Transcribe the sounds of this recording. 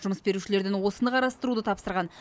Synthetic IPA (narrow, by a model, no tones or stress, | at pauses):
ʒʊməsbe̞ɾuʃɪle̞ɾd̪enwo̞sənəqɑɾɑst̪əɾud̪ət̪ʰɑpsəɾʁɑn